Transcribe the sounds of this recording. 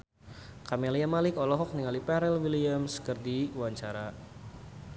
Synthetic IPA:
kamɛlijamalikɔlɔɦɔk̚niŋalipɛɾɛlwiliamskərdiwaɲt͡ʃaɾa

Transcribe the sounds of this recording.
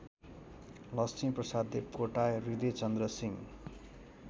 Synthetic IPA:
lʌst͡siprʌsad̪epoʈarid̪et͡sʌnd̪ɾʌsiŋ

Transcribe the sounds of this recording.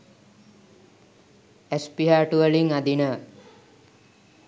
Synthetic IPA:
espiɦaːʈuʋəliŋad̪inə

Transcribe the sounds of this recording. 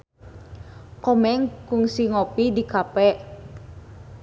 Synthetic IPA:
kɔmɛŋkʊŋsiŋɔpidikapɛʔ

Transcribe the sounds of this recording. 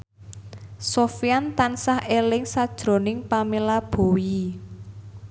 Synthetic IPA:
sofijant̪ansahelɪŋsad̥ʒ̥ɾo̤nɪŋpamelab̥o̤i

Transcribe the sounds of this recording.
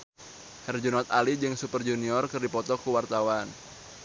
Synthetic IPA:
hɛrd͡ʒunɔt̪̚alid͡ʒɨŋsupərd͡ʒuniɔrkɨrdipɔt̪ɔkuwart̪awan

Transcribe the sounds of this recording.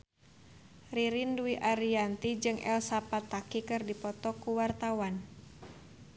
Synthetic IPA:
riɾinduiʔaɾiant̪id͡ʒɨŋʔɛ̰lsapat̪akikɨrdipɔt̪ɔkuwart̪awan

